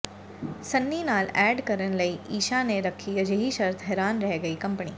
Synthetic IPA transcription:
sɐnːinaːlæɖkɐɾənlɐiʔiːʃaneɾɐkʰiɐd͡ʒeɦiʃɐɾt̪ʰɦɛːɾaːnɾɛɦɡɐiːkɐmpɳiː

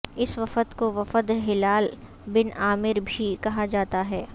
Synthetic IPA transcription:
ɪsʋɐfət̪koʋɐfəd̪ɦɪlaːl | bɪnaːmɪɾbʱikɐɦad͡ʒaːt̪aɦɛː

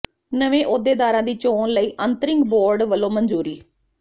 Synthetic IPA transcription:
nəʋẽːʔoːd̪eːd̪aːɾãːd̪iːt͡ʃoːnləiːʔənt̪əɾɪ̃ŋɡboːɾɖʋəlːõːmənd͡ʒuːɾiː

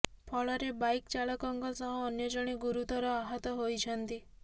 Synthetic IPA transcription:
pʰɔɭɔɾebajkt͡ʃaɭɔkɔŋɡɔsɔɦɔ̃ːnjɔd͡ʒɔɽ̃iɡuɾut̪ɔɾɔaɦat̪ɔɦojt͡ʃʰənt̪i

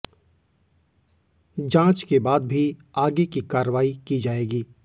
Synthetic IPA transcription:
d͡ʒãːt͡ʃkebaːd̪bʱiaːɡekikaːɾəʋaːikid͡ʒaːeːɡiː

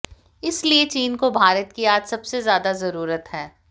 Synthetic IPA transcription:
ɪsliet͡ʃiːnkobʱaːɾət̪̚kiaːd͡ʒ̪sɐbsezjaːd̪azɐɾuːɾət̪ɦɛː

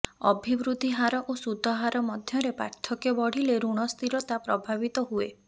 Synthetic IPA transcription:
ɔ̰bʱibɾud̪iɦaɾɔʔosud̪ʱːɔɦaɾɔmɔd̪ʱjɔɾepa̰ɾt̪ʰɔkebɔɽ̤ileɾuɽ̃ɔst̪ʰiɾɔt̪apɾɔbʱabit̪ɔɦue

